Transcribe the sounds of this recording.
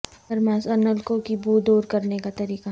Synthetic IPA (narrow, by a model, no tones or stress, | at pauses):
ɐɾmaːsɐnəlkokibuːd̪oːɾkɐɾnekat̪ɐɾiːqa